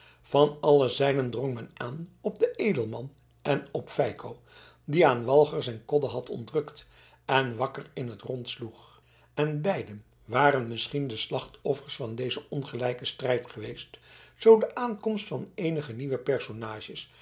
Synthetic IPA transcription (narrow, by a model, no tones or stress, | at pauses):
v̥ɑnɑləzɛjnəndrɔŋmɛnaːnɔb̚dəʔejdəlˠmɑn | ɛnɔpfɛjkʰow | diaːnʋɑlˠχəɹsɛjnkɔdəɦɑtʰɔ̰ndrɵkt | ɛnʋɑkərɪnɦətrɔntsluχ | ɛnbɛjdən | ʋaːrənmɪsχindəslɑχtɔfəɹsfɑndejzəʔɔnχəlɛjkəstrɛjtχəʋejstz̥owdəʔaːnkɔmstfɑnejnəχəniʋəpɛɹsonaːʒəs